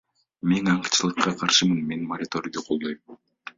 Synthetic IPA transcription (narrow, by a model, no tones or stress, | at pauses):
menɑɴqt͡ʃɯlˠɯqːɑqʰɑɾʃɯmɯnme̞nmɐɾʲɪt̪o̞ɾʲijd̪uqʰo̞lˠd̪o̞jm